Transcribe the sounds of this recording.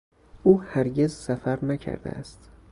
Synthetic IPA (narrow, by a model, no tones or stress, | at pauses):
ʔuːhæɾɟe̞zsæfæɾnæcʰæ̰ɾd̪ḛæ̰st̪